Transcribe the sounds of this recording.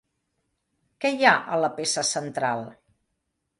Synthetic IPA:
kɛjaʔə̰ləpesəsənt̪ɾalˠ

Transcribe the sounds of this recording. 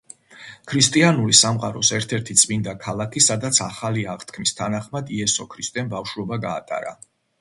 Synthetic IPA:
kʰɾist̪ʼianulisamqʼaɾɔsɛɾt̪ʰɛɾt̪ʰit̪sʼmind̪akʰalˠakʰisad̪at̪sʰaχaliaʁt̪ʰkʰmist̪ʰanaχmad̪iɛsɔkʰɾist̪ʼɛnbafʃuɔbaɡaːt̪ʼa̰ɾa̰

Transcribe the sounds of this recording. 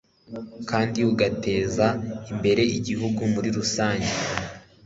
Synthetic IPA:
kaːndiuɡate̞ːzaimbe̞ɾe̞iɟiɦuɡumuɾiɾusaːɲɟe

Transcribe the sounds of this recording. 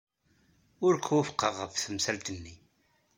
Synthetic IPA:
ʊɾkʰwæfqəʁəfθəmsælt̪ənːi

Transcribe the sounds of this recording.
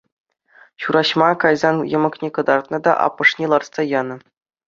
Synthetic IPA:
ɕuɾɑɕmɑkɑjzɑnjɤ̆mɤ̆knʲekɤ̆d̪ɑrt̪̚nɤ̆d̪ɑ̰ʔɑ̰pːɤ̆ʂnʲelˠɑrtssɑjɑnɤ̆

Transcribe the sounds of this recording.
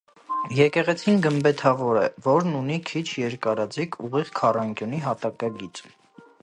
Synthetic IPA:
jɛkɛʁɛt͡sʰinɡəmbɛt̪ʰɑvɔɾɛ̰vɔɾnunikʰit͡ʃʰjɛɾkɑɾɑd͡zikʰuʁiʁkʰɑrɑŋkjuniɦɑt̪ɑkɑɡit͡s

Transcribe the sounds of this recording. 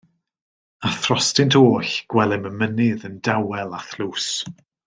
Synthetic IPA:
aθrɔstɪntʰoːɬɡ̥wɛlˠɪməmənɪðəndawɛlˠaθluːs

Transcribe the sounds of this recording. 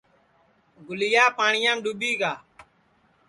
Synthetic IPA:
ɡʊlɪjaːpaːɳɪjãːmɗuɓiːɡaː

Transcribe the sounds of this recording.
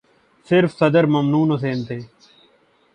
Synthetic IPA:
sɪɾfsəd̪əɾməmnuːnɦos̬eːnt̪ʰeː

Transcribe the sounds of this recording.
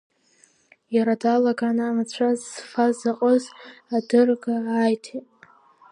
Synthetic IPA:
jaɾadalaɡanɨamat͡ɕʷʰazfazaqʼəzadɨrɡaːjtʰetʼ

